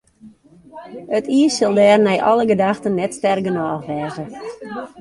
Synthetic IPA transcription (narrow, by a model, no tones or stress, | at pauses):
ətʰiəsɪlˠdɛːrnɛjʔɔ̰ləɡədaxtənːɛtstɛrɡənɔːxʋɛːzə